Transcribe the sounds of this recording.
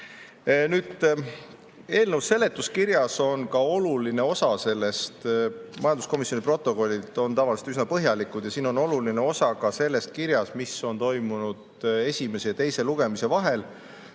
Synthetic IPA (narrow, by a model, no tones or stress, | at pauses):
nyːd̪̥ | e̞ːlnewsːe̞lːe̞t̪ːˑuskirjɑso̞nkɑo̞luline̞o̞sɑse̞lːe̞st̪mɑjɑnd̪usko̞misjo̞nipro̞t̪ːˑo̞ko̞lʲːid̪o̞nt̪ɑvɑliset̪ys̬nɑpɤɦjɑlikud̥̪jɑsiːno̞no̞luline̞o̞sɑkɑse̞lːe̞st̪̚kiɾjɑsmisːo̞nt̪o̞jmunud̪̥ | e̞sʲime̞se̞jɑt̪e̞jse̞luɡ̥e̞mise̞vɑɦe̞l